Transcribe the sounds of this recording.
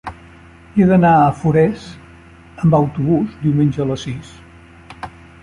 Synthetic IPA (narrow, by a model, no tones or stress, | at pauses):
eðənaəfuɾɛs | əmbəwt̪uβuzd̪iwmenʲd͡ʒəələsis